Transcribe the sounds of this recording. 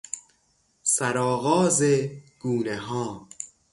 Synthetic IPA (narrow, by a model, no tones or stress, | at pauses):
sæɾɒːɣɒːzeɡ̥uːneɦɒː